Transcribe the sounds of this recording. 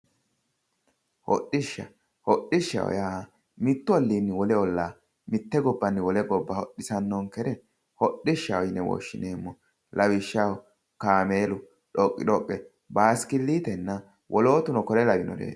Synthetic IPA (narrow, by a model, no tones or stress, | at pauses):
hɔ̰ɗɪʃːɐ | hɔɗːɪʃːɐ̰wɔ̰jaː | mɪt̪ːʊɐlːiːnːɪwɔlɛɔlːaː | mɪt̪ːɛɡɔbːɐnːɪwɔlɛɡɔbːɐhɔɗːɪsɐnːɔŋkɛɾɛ | hɔɗːɪʃːɐwɔjnːɛwɔ̰ʃːɪ̰neːmːɔ | lʔɐwɪʃːawɔ | kaːmeːlʊ | ɗɔkʼːɪ̰ᶑɔkʼːɛ | baːskɪlːiːt̪ɛnːɐ | wʔɔlo̞ːt̪ʊnɔkɔlɛlɐbɪnɔ̰ɾḛː